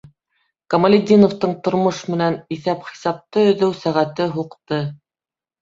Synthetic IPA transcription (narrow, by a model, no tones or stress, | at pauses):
kɐmɐlʲɪd̪ʲinŏft̪ɤɴt̪ŏɾmoʃmɘ̆næniθæpχi̥sɑp̚t̪ɤɵ̆ðɘwsæʁæt̪ɘɦuqt̪ɤ